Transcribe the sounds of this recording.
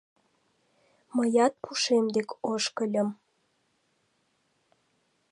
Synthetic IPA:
məjɑt̪̚pʰuʃemd̪ekoʃkəlʲə̆m

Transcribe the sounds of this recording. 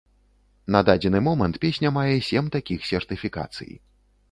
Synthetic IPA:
nɐd̪ad͡zʲɛnɨmɔmɐnt̪pʲesʲnʲɐmajɛsʲɛmt̪akʲixsʲɛrt̪ɨfʲika̰t̪sɨ̰jḭ

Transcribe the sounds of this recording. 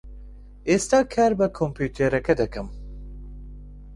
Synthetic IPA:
est̪ɑːkʰɛɾbɨkʰompʰuːt̪ʰeɾɛkɛd̪ɛkɨm

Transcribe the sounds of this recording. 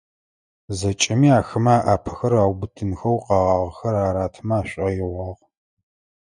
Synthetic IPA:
zɐt͡ʃʼɪmiːaːxɨmaaːʔaːpʰɐ̥xɐraːwbɨtʰɨnxɐwqɑːʁɑːʁxɐɾaːɾaːtʰɨmɐaːɕʷʼɐjɪʁɐʁ

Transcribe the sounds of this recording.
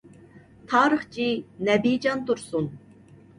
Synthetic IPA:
t̪ʰɑːɾəχt͡ʃʰinɛbid͡ʒɑnt̪uɾsun

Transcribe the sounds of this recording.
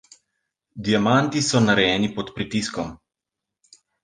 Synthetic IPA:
d̪ijamant̪isɔnaɾɛjɛːnipɔt̪pɾit̪iskɔm

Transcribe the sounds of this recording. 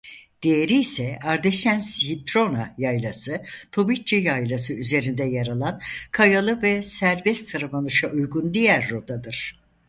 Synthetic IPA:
d̪̥ejeɾiːsɛaɾd̪eʃænship̪ɾo̞najajlˠasɯt̪ʰo̞bit͡ʃijajlˠasɯyze̞ɾind̪ɛjaɾalˠankʰajalˠɯvɛsæɾbɛst̪t̪ʰaɾabanɯʃaʔujɡund̪ijæɾːod̪ad̪ɯɾ̥

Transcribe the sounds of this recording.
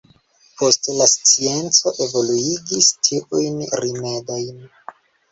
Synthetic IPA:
pʰo̞stlast͡sie̞nt͡so̞ʔe̞vo̞luiɡistʰiʔujnɾime̞dojn

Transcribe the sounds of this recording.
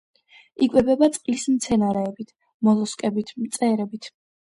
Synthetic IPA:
ikʼwɛbɛbat̪sʼqʼlismt̪sʰɛnaɾɛːbit̪ʰ | mɔlɔskʼɛbit̪ʰmt̪sʼɛɾɛbit̪ʰ

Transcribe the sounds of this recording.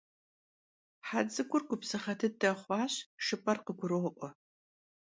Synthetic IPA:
ħad͡zɨɡʷʊrɡʷʊpsɨχɐtʰɨdɐχʷɑːɕʂɨpʼɐrqəɡʷʊɾɨʁʊʔʷɔ

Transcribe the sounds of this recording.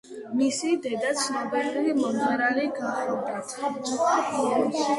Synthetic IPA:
misid̪ɛd̪at̪sʰnɔbatʰulimɔnaɾaliɡaχɔd̪a

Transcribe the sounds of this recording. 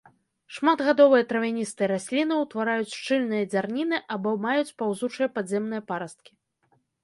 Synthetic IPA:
ʂmad̪ɣad̪ɔvɨjɐt̪ɾɐvʲanʲist̪ɨɛɾasʲlʲinɨwt̪vaɾajut͡sʲʂt͡ʂɨlʲnɨjɐd͡zʲarnʲinɨʔabɔmajut͡sʲpawzut͡ʂɨjɐpazʲɛmnɨjɐpaɾɐst̪̚kʲi̥

